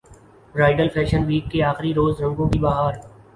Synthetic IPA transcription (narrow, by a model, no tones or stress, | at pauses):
ɾaːɪɖəlpʰɛːʃənʋiːkːeaːxɪɾiɾoːzɾə̃ŋɡõkibaːɦaːɾ